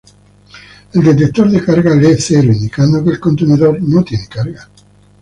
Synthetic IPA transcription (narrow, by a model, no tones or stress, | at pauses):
ild̪et̪̬et̪ːoɾd̪ekaɾɡaleseɾoind̪ikand̪okelkont̪eneðornot̪jɛnekaɾɡa